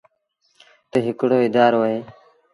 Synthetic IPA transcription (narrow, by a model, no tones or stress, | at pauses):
t̪eɦɪkɽoːɪd̪aːɾoːɦeː